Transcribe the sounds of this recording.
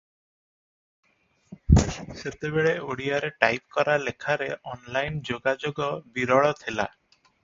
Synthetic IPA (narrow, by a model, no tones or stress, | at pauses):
set̪ebeɭeoɽijaɾeʈajp̚kɔɾalekʰaɾeʔɔnlajnd͡ʒoɡad͡ʒoɡɔbiɾɔɭɔt̪ʰila̰